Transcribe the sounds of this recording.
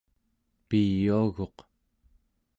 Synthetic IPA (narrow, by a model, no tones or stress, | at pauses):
pijuaɣo̞q